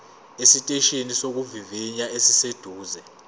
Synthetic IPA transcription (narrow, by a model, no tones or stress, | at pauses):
esitʼeʃenisok̬uviviɲaesised̥ʱuːzɛ